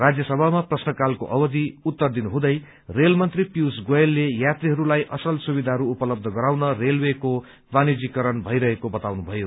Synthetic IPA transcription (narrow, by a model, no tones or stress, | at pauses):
rad͡zjʌsʌbʱamaprʌsnʌkalkoʔʌbʌd̪iut̪ːʌrd̪inuɦũd̪ʌj | relmʌnt̪ripjusɡojlːejat̪riɦʌɾulajʔʌsʌlsubid̪ʱaɦʌɾuupʌlʌb̚d̪ʱʌɡʌɾawnʌrelweko | banid͡zikʌɾʌnbʱʌjɾʌɦekobʌt̪awnubʱʌjo